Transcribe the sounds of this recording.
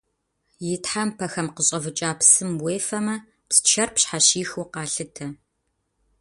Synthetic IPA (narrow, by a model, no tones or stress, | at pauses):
jɪtħampʰɐxɐmqəɕʼɐvɨt͡ʃʼaːpsɨmweːfɐmɐ | pst͡ʃʰɐrpɕħaɕiːxuqɑːɬɨtʰɐ